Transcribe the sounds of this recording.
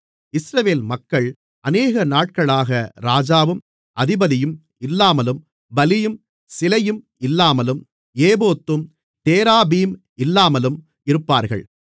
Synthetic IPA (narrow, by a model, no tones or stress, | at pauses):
ɪsɾɐʋeːlmɐkːɐɭ | ʔɐneːɣɐnaːʈ̚kɐɭaːɣɐɾaːd͡ʒaːʋɯm | ʔɐðɪbɐðɪjɯm | ɪlːaːmɐlɯm | bɐlɪjɯm | sɪlɐjɯm | ɪlːaːmɐlɯm | eːboːt̪ːɯm | t̪eːɾaːbiːm | ɪlːaːmɐlɯm | ɪɾɯpːaːɾɣɐ̰ɭ